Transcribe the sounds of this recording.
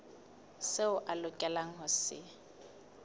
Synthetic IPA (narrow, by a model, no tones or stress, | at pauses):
seʊʔalʊkʼɛlaŋ̩ɦʊsɪ̰